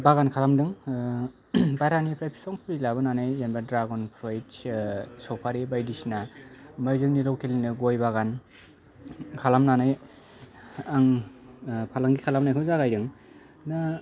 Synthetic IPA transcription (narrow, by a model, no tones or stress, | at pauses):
baɣankʰalamdɯŋ | bajɾanipʰɾajpʰi̥sɔŋpʰɾilabɯnanajjenbadɾaɡɔnpʰɾoj | sɔpʰaɾibajdisnamajzɯŋniɾɔwkʰelinɯɡojbaɣan | kʰalamnanaj | aŋ | pʰalaŋɡikʰalamnajkʰɯzaɡajɾɯŋ | na